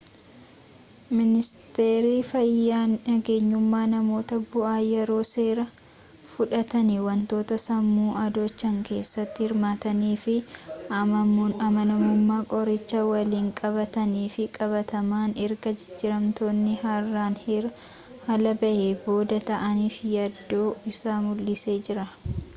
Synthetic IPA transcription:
mɪnɪst̪eːɾiːfɐjːaːnnɐɡeːɲːʊmːaːnɐmo̞ːt̪ɐbʊʔaːjɛɾo̞ːse̞ːɾɐ | fʊᶑɐt̪ɐnɪwɐnt̪o̞ːt̪ɐsɐmːuːɐd̪oːt͡ʃːɐŋke̞ːsːɐt̪ːɪhɪɾmaːt̪ɐniːfɪ | ɐmɐnɐmʊmːaːkʼɔɾɪt͡ʃːɐwɐliːŋkʼɐbɐt̪ɐniːfɪkʼɐβɐt̪ɐmaːnɛɾɡɐd͡ʒɛd͡ʒːɪɾɐmt̪o̞ːnːɪhɐrːaːnhɾ | hɐlɐbɐʔebo̞ːd̪ɐt̪ɐʔɐniːfɪjɐd̪ːo̞ːɪsaːmʊlːɪse̞ːd͡ʒɪɾɐ

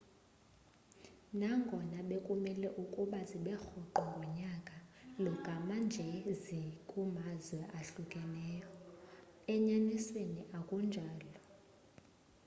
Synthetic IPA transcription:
naŋɡʱɔnaɓekʼumɛlɛʔukʼuɓaziɓɛxɔǃɔŋɡʱɔɲakʼalɔɡ̥ʼʱamand͡ʒʱɛzikʼumazwɛʔaɬukʼɛnɛjɔ | ɛɲanisweniʔakʼund͡ʒʱaːlɔ

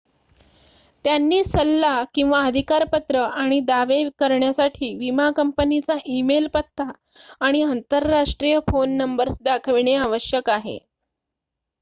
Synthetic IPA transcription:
t̪janːiːsəlːakĩw̃ʋaəd̪ʱikaɾpət̪ɾəʔaɽ̃id̪aʋekəɾɳjasaʈʰiːʋimakəmpənit͡saʔimelpət̪ʰːaː | ɽ̃iənt̪əɾːaʂʈɾijəfonːəmbəɾsd̪akʰəʋɳ̃eaʋəɕjəkaɦḛ

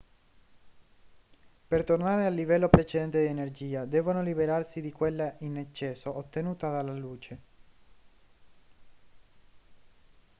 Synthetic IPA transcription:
pert̪ornaːɾealːivɛlːopɾet͡ʃed̪ɛnt̪ed̪ienerd͡ʒiːad̪ɛːvonolibeɾarsid̪ikwelːaʔinet͡ʃːɛːsoʔot̪ːenuːt̪ad̪alːaluːt͡ʃe

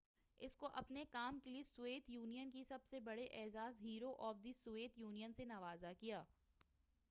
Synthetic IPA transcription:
ɪskoʔɐpnekaːmkeliesʊeːt̪juːnijənkisɐbsebɐɽeʔɛːzaːzɦiːɾoʔɔːfd̪isueːt̪juːnijənsenɐʋaːzakijaː

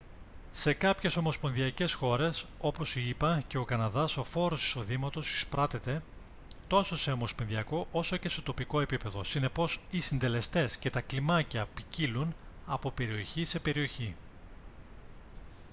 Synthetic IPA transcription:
se̞kɐpçe̞so̞mo̞spo̞nðiɐce̞sxo̞ɾe̞so̞po̞siipɐce̞o̞kɐnɐðɐso̞fo̞ɾo̞si̥so̞ðimɐt̪o̞si̥spɾɐt̪e̞t̪e̞ | t̪o̞so̞se̞o̞mo̞sponðiɐko̞ʔo̞so̞ce̞st̪ot̪o̞piko̞e̞pipe̞ðo̞sine̞po̞sisind̪e̞le̞st̪e̞sce̞t̪ɐklimɐcɐpicilunɐpo̞pe̞ɾio̞çise̞pe̞ɾio̞çi

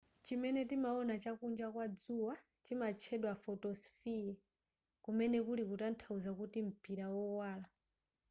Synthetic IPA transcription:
t͡ʃimɛnɛtimaɔnat͡ʃakund͡ʒakwad͡zuwa | t͡ʃimat͡ʃʰɛɗwafɔtɔsfia | kumɛnɛkulikutan̩tʰauzakutim̩pʼiɾawɔwaːla

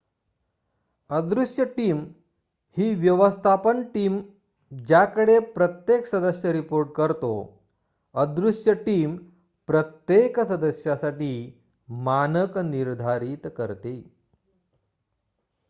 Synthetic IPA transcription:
əd̪ɾuʂjəʈiːm | hiːʋjəʋəst̪ʰapəɳʈiːm | d͡ʑjakəɽepɾət̪jeksəd̪əsjəɾipoɾʈ̚kəɾt̪o̰ | əd̪ɾuʂjəʈiːm | pɾət̪jeksəd̪əsjasaʈiː | manəkniɾd̪ʱaɾit̪kəɾt̪e

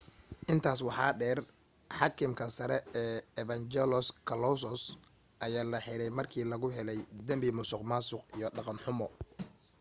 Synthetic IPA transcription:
ʔɪnt̪ʰaːs̬wɑħɑːɖɛːr | ħɑkʰɪmkʰɐsɐɾɛɛːɛβɐnt͡ʃɛlɔskʰɐlɔsɔs | ʔɐjaːlɐħɪɾɛjmɐrkʰiːlɐɣʊɦɛlɛjd̪ɐmbɪmʊsʊqmaːsʊqijɔɖɑqɑnħʊmɔ

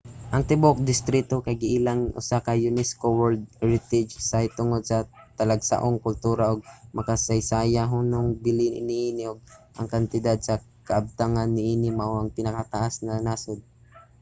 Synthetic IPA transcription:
ʔɐŋt̪ɪbok̚d̪ɪst̪ɾit̪okɐjɡɪʔilaŋʔʊ̰sakajʊnɛskowɛld̪̚ɛɹɪt̪ɛd͡ʒsajt̪ʊŋod̪̚sɐt̪ɐlaɡsa̰ʔoŋkʊlt̪uːɾaʔoɡ̚mɐkasajsaːjaɦʊnoŋbɪlɪɪnɪʔiːnɪʔoɡ̚ʔɐ̰ŋkɐnt̪ɪd̪ad̪̚sɐkɐʔɐb̚t̪aŋanːɪʔiːnɪmaʔwʔɐŋpɪnɐkat̪aʔasnɐnaːsod̪̚

